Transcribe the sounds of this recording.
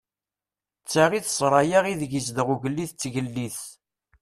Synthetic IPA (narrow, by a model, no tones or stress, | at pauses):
t͡sːaʁiθsˤɾˤɑjaʁiðəʝəzd̪əʁuʝəlːiθt͡sːʝəlːiθ